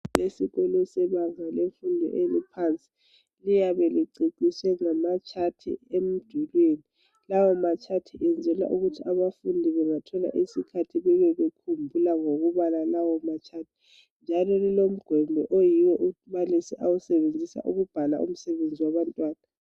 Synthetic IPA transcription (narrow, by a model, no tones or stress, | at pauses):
lesiɣolɔsɛβaŋalefundʱɔ̰ʔelipʰant͡sʼi̥ | lijaβɛliǀiǀisɛŋamat͡ʃʰatʰḭem̩d̥ʱulweːni | lawɔmat͡ʃʰʼatʰiʔɛnd͡zʱɛla̰ʔuɣutʰiaβafundʱiβɛŋatʰɔla̰ʔisikʰatʰiβɛβɛβekʰumbʱulaŋoɣuβalalawɔmat͡ʃʰatʰi̥ | nd͡ʒʱalɔlilom̩ɡ̥ʱwɛmbʱɛʔojiwɛʔumalisiʔawusɛβend͡zʱisa̰ʔṵɣub̥ʱala̰ʔṵm̩sɛβend͡zʱiwaβantʼwaːna